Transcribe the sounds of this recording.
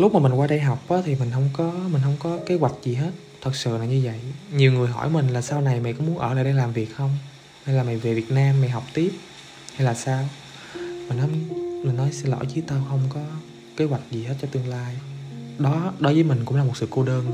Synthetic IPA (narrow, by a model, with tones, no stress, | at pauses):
lʊ˦˥k͡p̚maː˨˩mi˨˩ŋwaː˧ɗə˧jɦa˨˩wk͡p̚ʔaː˨˦t̪ʰi˨˩mï˨˩ŋ̟ɦə˧wŋ͡mkɔ˨˦mï˨˩ŋ̟ɦə˧wŋ͡mkɔ˨˦ke˨˦ɣwa˨˩jk̟̚zi˨˩ɦe˦˥t̚t̪ʰə˨˩t̚sɨ̰˧˨laː˨˩ɲɨ˧və̰˧˨jɲi˨˩wŋɨ˨˩əjɦɔ̰˧˩jmï˨˩ŋ̟laː˨˩saː˧wna˨˩jma̰˨˩jkɔ˨˦mu˨˦ənʔəː˧˩la̰ː˧˨jɗə˧jlaː˨˩mvi˨˩ək̚xə˧wŋ͡m | ha˧jlaː˨˩ma˨˩jve˨˩vi˨˩ət̚naː˧mːa˨˩jɦa˨˩wk͡p̚t̪i˦˥əp̚ | ha˧jlaː˨˩saː˧w | mï˨˩ŋ̟hə˨˦wŋ͡mmi˨˩ŋ̟nɔ˨˦jsɛ˧lɔ̰˧˩˦jt͡ɕɨ˨˦t̪aː˧wxə˧wŋ͡mkɔ˨˦ | ke˨˦wa˨˩jk̟̚zi˨˩he˦˥t̚t͡ɕɔ˧t̪ɨ˧əŋlaː˧jɗɔ˨˦ɗo˨˦jvəː˨˦jmï˨˩ŋ̟kʊ̰˧˥ŋ͡mlaː˨˩mo˨˩t̚sɨ̰˧˨ko˧ɗəː˧n